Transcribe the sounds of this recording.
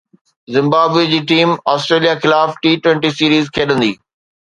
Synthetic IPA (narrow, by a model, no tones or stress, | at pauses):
zɪ̃mbaːbwed͡ʑiːʈiːmaːsʈɾeːlijaxɪlaːfʈiːʈwɛ̃ɳʈisiːɾiːzkʰeːɗə̃nd̪iː